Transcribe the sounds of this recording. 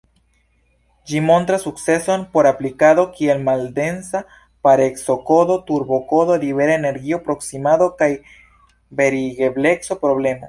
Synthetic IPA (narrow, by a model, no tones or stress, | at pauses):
d͡ʒimo̞nt̪ɾasuk̚t͡se̞so̞npo̞ɾaplikaðo̞kie̞lmalde̞nsa | paɾekso̞ko̞do̞t̪uɾbo̞ko̞ðo̞liβe̞ɾaene̞ɾɡiopɾo̞ksimado̞kaj | be̞ɾiɡeble̞kso̞pɾo̞ble̞mo̰